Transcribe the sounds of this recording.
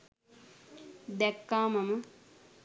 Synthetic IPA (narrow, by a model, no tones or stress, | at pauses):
d̪ɛkːaːmɐmə